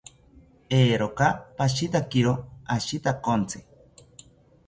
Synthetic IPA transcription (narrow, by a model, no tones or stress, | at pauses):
eːɾokapaʃit̪akiɾoaʃit̪akont͡sʰe